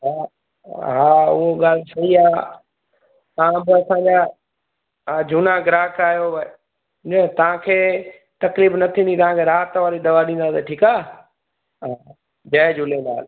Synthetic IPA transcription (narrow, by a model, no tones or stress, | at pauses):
ɦa | ɦaːʊ̰ɦoɠaːlsɐiaː | aãbɪɐsãɲd͡ʑa | d͡ʑʱʊnaɡɾaːkaːjõ | d͡ʑet̪ɐʋ̤ãkʰeː | t̪ɐkliːbnɐt̪ʰĩnĩt̪ɐʋ̤ãkʰeɾaːt̪ʋaːɾid̪ɐʋaɗĩnd̪aseʈʰiːkaː | ɦa | d͡ʑɐːd͡ʑʊlelaːl